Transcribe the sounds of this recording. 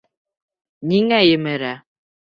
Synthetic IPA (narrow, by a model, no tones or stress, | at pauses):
niŋæjɘ̆mɘɾæ